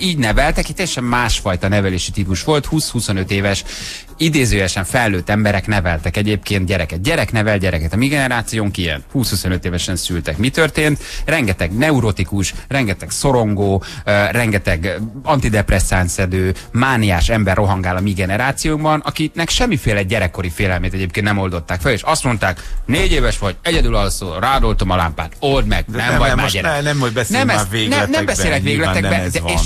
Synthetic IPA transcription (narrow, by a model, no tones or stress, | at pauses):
iːɟnɛvɛlt̪ɛkect̪ɛjɛʃɛmːaːʃfɒjt̪ɒnɛvɛleːʃit̪ipuʃʋo̞lt̪huːshuso̞nø̞t̪eːvɛʃ | id̪eːzøːjɛʃɛɱfɛlːøːt̪ːɛmbɛɾɛknɛvɛlt̪ɛkɛɟeːpkeːnt̪̚ɟɛɾɛkɛt̪̚ɟɛɾɛknɛvɛl̚ɟɛɾɛkɛt̪ɒmiɡɛnɛɾaːt̪sijoːŋkijɛ̰nt̪huːshusonøt̪eːvɛʃɛnsylt̪ɛkmit̪ørt̪eːnt̪rɛŋɡɛt̪ɛɡnɛuɾo̞t̪ikuʃrɛŋɡɛt̪ɛkso̞ɾo̞ŋɡoːrɛŋɡɛt̪ɛɡɒnt̪id̪ɛprɛsaːnsɛd̪øː | maːniaːʃɛmbɛrʔo̞ɦɒŋɡaːlɒmiːɡɛnɛɾaːt̪sijoumbɒnʔɒkinɛkʃɛmːifeːlɛɟɛɾɛkːo̞ɾifeːlɛlmeːt̪ɛɟeːpkennɛmo̞ld̪o̞t̪ːaːkfɛleːʃɒst̪mo̞n̪t̪aːkneːɟeːvɛʃʋɒɟɛɟɛd̪ylɒlosoːraːd̪o̞lt̪o̞mɒla̰ːmpa̰ːt̪o̞ld̪mɛ̰ɡ̥nɛmvɒmaːɟɛnɛmobɛsnmɛːnɛnɛbɛseːlɛkvʋeːɡlɛt̪ɛbɛd̪ɛeːʃʃ